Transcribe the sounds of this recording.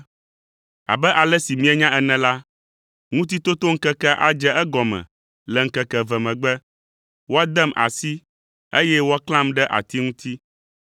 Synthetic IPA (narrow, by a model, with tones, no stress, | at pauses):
a̰˨bɛ˦ʔa˨lɛ˦si˨mĩ˦ɛ˦ɲã˦ʔɛ˦nɛ̃˨la˦ | ŋũ˦t̪̬i˦t̪o˦t̪o˦ŋ̩˦kɛ˦kɛ˦ʔa̰˦d͡ʒɛ˦ɛ˦ɡɔ˨mɛ̰̃˨ | lɛ˨ŋ̩˦kɛ˦kɛ˨vɛ˨mɛ̃˨ɡ͡bɛ˦ | wo˦a˦d̪ɛ˦˨mʔa̰˨si˦ | e˦jɛ˦wo˦a˦klã˦mɖɛ˦ʔa̰˨t̪i˦ŋũ˦t̪ʰi˦